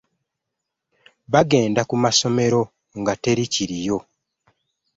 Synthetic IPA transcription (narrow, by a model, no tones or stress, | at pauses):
βaɡe̞ːndakumaso̞me̞ɾo̞ | ŋɡate̞ɾiciɾijo̞